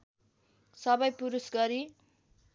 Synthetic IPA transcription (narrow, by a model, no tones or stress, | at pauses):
sʌbʌjpuɾusɡʌɾi